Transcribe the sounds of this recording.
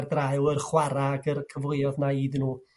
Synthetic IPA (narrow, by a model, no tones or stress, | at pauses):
rdraɨwərχwaɾaɡərkʰəvʊɨɔðnaiːdnuː